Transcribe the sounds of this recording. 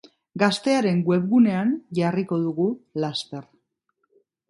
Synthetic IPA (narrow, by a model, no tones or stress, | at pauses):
ɡast̪e̞aɾe̞ŋɡwe̞βɣune̞anʝariko̞ðuɣulast̪e̞r